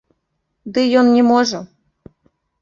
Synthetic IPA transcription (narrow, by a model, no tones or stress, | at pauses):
d̪ɨjonnʲemoʒɤ̆